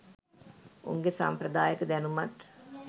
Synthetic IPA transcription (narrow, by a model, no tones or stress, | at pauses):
ṵŋɡesa̰mpɾəd̪aːjəkəd̪ɛnumat̪